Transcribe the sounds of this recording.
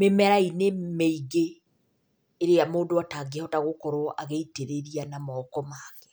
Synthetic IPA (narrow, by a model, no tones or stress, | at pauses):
memɛɾainemeiɡe | ɾeamoːdoataɡeɔtaɣokɔɾɔʔa̰ɣeiteɾeɾianamɔːkɔmaɣɛ̥